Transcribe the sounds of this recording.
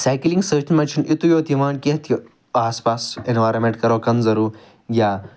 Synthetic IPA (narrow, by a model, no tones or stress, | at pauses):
saːkilĩŋɡsəːʈinmɐnt͡ʃʰinit̪ujoːt̪imaːnket̪ʰi | aːspaːsenʋaːɾɐmẽɳʈkɐɾoːkɐnzɐɾuː | ɡʲjaː